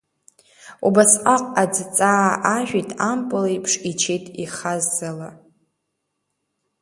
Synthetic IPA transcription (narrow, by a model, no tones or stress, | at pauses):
ubasqʼaqʼad͡zt͡sʼaːʔaʒᶣitʼampʼɨleipʰʂit͡ʃʰejtʼiχazːala